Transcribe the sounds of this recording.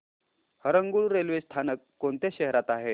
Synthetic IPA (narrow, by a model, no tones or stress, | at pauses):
həɾəŋɡuɭɾelʋest̪ʰanəkːoɳt̪jeɕəɦɾat̪aɦe